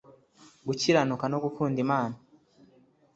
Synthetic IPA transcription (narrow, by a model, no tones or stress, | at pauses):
ɡuciɾanukano̞ɡukʰuːndimaːna